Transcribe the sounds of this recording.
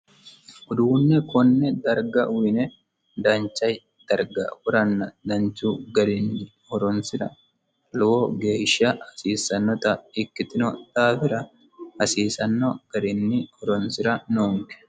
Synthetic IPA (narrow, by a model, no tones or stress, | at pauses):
ʊd̪uːnːɛkɔnːɛd̪ɐɾɡɐwɪnɛ | d̪ɐnt͡ʃːɐj | d̪̥ɐɾɡɐ̰wʊɾɐnːɐd̪ɐnt͡ʃːuɡɐɾɪnːɪ | hɔɾɔnsɪɾɐ̰ | lɔwoɡe̞ːʃːɐhɐsiːsːɐnːɔt̪ɐɪkːɪt̪ɪnɔt̪aːfɪɾɐ | hɐsiːsɐnːɔɡ̥ɐɾɪnːɪɔɾɔnsɪɾɐnoːŋkɛ̥